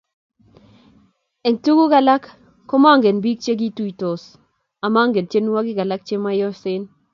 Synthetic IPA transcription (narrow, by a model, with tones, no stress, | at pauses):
ɛ˨ntu˦ɡu˦ɡa˨la˦kː | ɔ˦ma˦˨ŋɡe˨nbi˦k̚t͡ʃe˦ɡi˦tu˦i˨to˨s | a˨ma˦ŋɡe˨nt͡ʃe˦nu˦wa˦ɡɪ˦ɡa˨la˦k̚t͡ʃe˦ma˦jɔ˦sɪ˦n